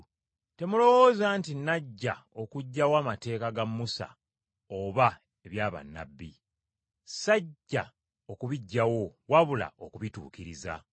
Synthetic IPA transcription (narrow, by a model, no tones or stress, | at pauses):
te̞mulo̞woːzaːntinːaɟːao̞kuɟːawaːmate̞ːkaɡamːusa̰ | oβa | e̞βjaːβa̰nːa̰bːi | saɟːa | okuβiɟːawo̞waβula̰ʔo̞kuβitṵːkiɾiza̰